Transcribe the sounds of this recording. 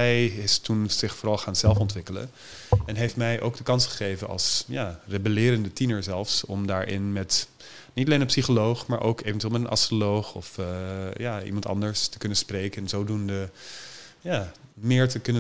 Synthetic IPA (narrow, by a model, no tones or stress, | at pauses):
ɛjɪstunz̥ɪχfoːɾɑlˠχaːnzɛlˠfɔntʋɪkələ̰n | ɛnɦejftmɛjʔo̰wɡdəkɑnsχə̥χejvənɑ̰lˠsjaːrebəlɪːɾəndətinəɹzɛlˠfsɔmdaːɹʔɪ̰nmɛt | nitɑlejnənpsiχolowχmaːɹʔo̰wkeːvɛntyeːlmɛtənʔɑ̰strolowχɔfjaːḭmɑntɑ̰ndəɹstə̥kɵnənsprejkənzoːdundə | jaːmɪːɹtəkɵnə